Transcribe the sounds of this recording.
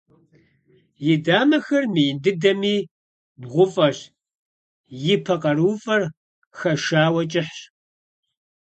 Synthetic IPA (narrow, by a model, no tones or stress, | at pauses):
jɪdaːmɐxɐrmɨjɪndɨdɐmiː | bʁʷʊfʼɐɕ | jɪpʰɐqɐɾuːfʼɐr | xɐʃaːwɐt͡ʃʼɪħ